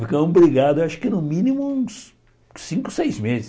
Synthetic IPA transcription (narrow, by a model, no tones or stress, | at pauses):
fikɐ̃bɾiɡad̪ʊewaʃʊ̥kɪnʊmĩnimʊũs | sĩŋkʊ̥sejzmezɪ